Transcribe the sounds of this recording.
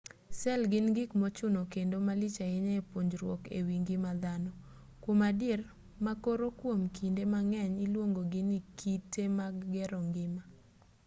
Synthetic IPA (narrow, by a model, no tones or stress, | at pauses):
sɛlɡɪnɡɪkmɔt͡ʃʊnokendomalɪt͡ʃaɪɲaepoɲd͡ʒɾwɔkḛwiŋɡɪmad̪anɔ | kwomader | makoɾokwomkindemaŋɛɲilwoŋɡoɡɪnikʰitemaɡːɛɾɔŋɡɪma